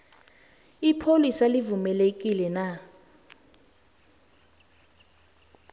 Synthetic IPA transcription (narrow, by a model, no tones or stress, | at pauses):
ipʰolisalivumɛlek̬ʼilɛna